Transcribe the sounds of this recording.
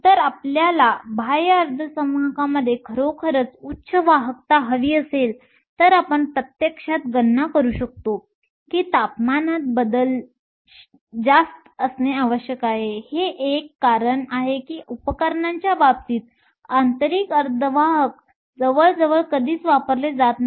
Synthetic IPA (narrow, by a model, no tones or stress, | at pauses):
t̪əɾapljalabʱajəɾd̪ʱəsəmakaməd̪ʱːjekʰəɾokʰəɾət͡sutːɕʰəʋaɦək̚t̪aɦəʋiːəsel | t̪əɾapəɳpɾət̪jəkʂat̪ɡənːakəɾuːɕək̚t̪o | kiːt̪apmanat̪̚bəd̪əl | d͡zast̪əsneaʋəɕjəkaɦeheʔekːaɾəɳaɦekiːʔupəkəɾɳaɲt͡ɕjaʋap̚t͡siːt̪ | ant̪əɾiːkəɾd̪ʱəʋaɦək | d͡zəʋəɭd͡zəʋəɭkəd̪ʱiːt͡sʋapəɾled͡zat̪